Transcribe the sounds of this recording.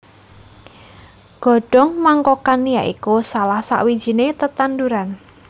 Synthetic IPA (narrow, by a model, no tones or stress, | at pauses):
ɡ̥ɔ̤ɖ̥ɔ̤ŋmaŋkɔkanijaʔḭkusalahsa̰ʔwid̥ʒ̥i̤net̪ət̪and̪uɾan